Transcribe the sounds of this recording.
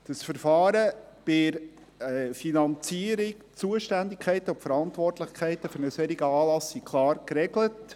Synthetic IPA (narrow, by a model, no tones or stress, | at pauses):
d̥əsfəɾfɑːɾəb̥ɪɾ | finɑnt͡siəɾɪk | t͡suəʃtændɪkʰɛɪtəʊmfəɾɑntʋɔrtlɪχkʰɛɪtːəfɵɾnəsɛɾiɡəɑːlɑsːikʰlɑːɾkɾɛɡlət